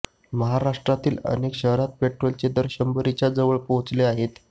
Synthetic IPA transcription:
məɦaɾaʂʈɾat̪iːlə̰nekɕəɦɾat̪̚peʈɾolt͡ɕed̪əɾɕəmbəɾit͡ɕjad͡zəʋəɭpoɦut͡sleaɦet̪

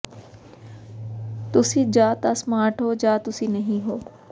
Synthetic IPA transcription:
t̪ʊsĩːd͡ʒaːt̪asmaːɾʈɦoːd͡ʒaːt̪ʊsiːnəɦĩɦoː

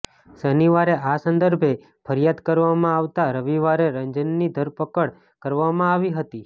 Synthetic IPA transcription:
səniʋaɾeʔasənd̪əɾbʱe | pʰəɾjad̪kəɾʋamãaʋt̪aɾəʋiʋaɾeɾəɲd͡ʒənːid̪ʱəɾpəkəɽ | kəɾʋamãaʋiɦət̪i

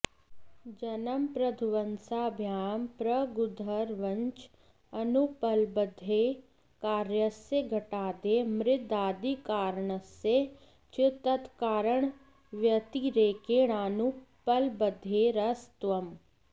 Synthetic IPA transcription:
d͡ʒɐnɐmpɾɐd̪ʱuʋɐnsaːbʱjaːmpɾɐɡʊd̪ʱɐɾʋɐɲt͡ʃ | ɐnupɐlbɐd̪ʱeː | kaːɾjəsːeɡʱɐʈaːd̪emɾɪt̪aːd̪ikaːɾɳəsːe | t͡ʃʰɪt̪ɐt̪kaːɾəɳ | ʋjɐt̪iɾeːkeːɽaːnupɐlbɐd̪ʱːeːɾɐst̪ʋɐm

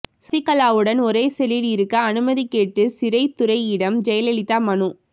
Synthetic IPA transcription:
sɪkːɐlaːʋɯɽɐnɔɾeːsɛliɽɪɾɯkːɐːnɯmɐðikːeːʈːɯsɪɾɐɪt̪ʊɾɐɪɪɽɐmd͡ʒɛjɐlɛɭɪt̪ːaːmɐnu

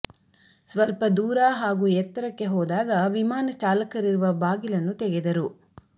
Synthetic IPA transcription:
sʋɐlpɐd̪uːɾɐɦaːɡuːjɛt̪ːɐɾɐkːe̞ɦɔːd̪aːɡɐʋimaːnɐt͡ʃaːlɐkɐɾiɾuʋɐbaːɡilɐnːut̪ɛɡed̪ɐɾu

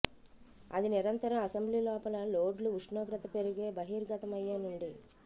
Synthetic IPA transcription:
ɐ̰d̪iniɾɐnt̪ɐɾɐmɐsɐmbliːlɔːpɐlɐloːɖluuʂɳoːɡɾɐt̪ɐpe̞ɾuɡe̞ːbɐɦiːɾɡɐt̪ɐmɐjːeːnuɳɖi

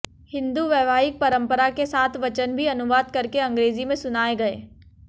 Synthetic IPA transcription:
hɪ̃nd̪uʋjɛːʋaːɦɪk̚pɐɾə̃mpəɾakesaːt̪ʰʋɐt͡ʃənbʱiɐnʊʋaːd̪̚kɐɾkeɐ̃ŋɡɾeːzimẽsʊnaːeɡɐeː

